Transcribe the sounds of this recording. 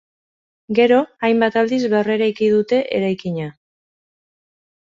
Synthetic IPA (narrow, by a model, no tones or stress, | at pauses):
ɡe̞ɾo̞ajmbat̪ald̪izβere̞ɾajkið̞ut̪e̞ʔḛɾajkiɲa